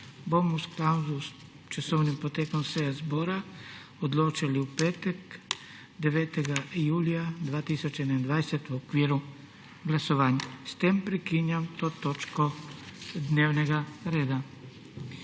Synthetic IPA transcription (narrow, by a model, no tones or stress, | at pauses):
bomusklawzus | t͡ʃasownimpot̪ekomseɡazboɾa | od̪loːt͡ʃiliupeːt̪ak | d̪eʋeːt̪eɡaijuːlijad̪ʋaːt̪isot͡ʃɛed̪nand̪ʋajset̪ʋuokʋiːɾu | ɡlasoʋaːɲast̪empɾɛkinjamt̪oːt̪ot͡ʃko | d̪neːwnɛɡaɾeːd̪a